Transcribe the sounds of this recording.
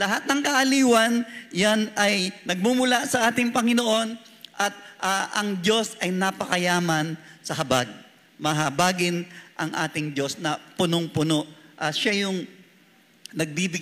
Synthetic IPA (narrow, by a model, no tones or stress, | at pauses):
lɐɦat̪̚nɐŋkɐʔɐliːwɐnjanɐjnɐɡ̚mumʊlasɐʔaːt̪ɪŋpɐŋɪno̞ʔo̞n | ʔɐt̪̚ʔaʔɐŋd͡ʒo̞sɐjnɐpɐkɐjaːmɐnsɐɦɐbaɡ̚ | mɐɦɐbaːɡɪnʔɐŋʔa̰ːt̪ɪŋd͡ʒo̞snɐpʊnoŋpʊno̞ʔʔɐʃajʊŋ | nɐɡ̚b̪ibɪ